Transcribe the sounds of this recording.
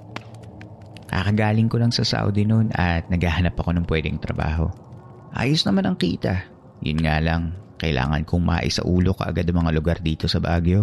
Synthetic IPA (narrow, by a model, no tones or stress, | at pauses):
ka̰ːkɐɡaːlɪŋko̞lɐŋsɐsa̰ːwd̪ɪno̞nʔɐt̪̚nɐɡhaːhɐnɐpɐko̞nɐŋpwɛːd̪ɛŋt̪ɾɐba̰ːɦo̞̰ | ʔa̰ːjosnɐmanɐŋkiːt̪ɐ | jʊ̰nŋaːlɐŋkɐʔɪlʔa̰ːŋɐ̰nkʰʊŋma̰ʔɪ̰sɐ̰ʔuːlo̞kɐ̰ʔɐɡad̪ɐmɐŋalʊɡaɾd̪iːt̪o̞sɐbaːɡjo̞